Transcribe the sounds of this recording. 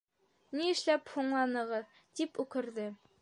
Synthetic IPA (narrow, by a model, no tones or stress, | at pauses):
niɘ̆ʃlæphuɴlˠɑnɤ̆ʁɤ | t̪ipʉkɘ̆ɾðɘ